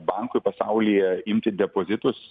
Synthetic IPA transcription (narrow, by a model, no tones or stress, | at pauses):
bɐˑŋkʊɪpɐsɑʊlʲijɛɪmʲt̪ʲɪd̪ʲɛpoːzʲɪt̪ʊs